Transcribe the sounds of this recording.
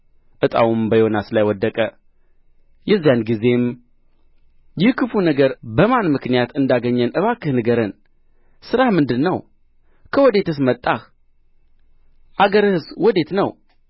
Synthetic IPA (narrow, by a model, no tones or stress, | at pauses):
ʔɨt̪ʼa̰wumbəjonasɨlajwɔd̪ːəkʼə | jɛzːijanɡize̞m | jɪhkʰɨfunəɡəɾbəmanmɨknijat̪ɨnd̪aɡəɲːənʔɨβakːɨhnɨɡəɾɨn | sɨɾahmɨnd̪ɨnːəw | kʰəwɔd̪e̞t̪ʰɨs̬mət̪ʼːax | ʔaɡəɾɨhɨswɔd̪e̞t̪nəw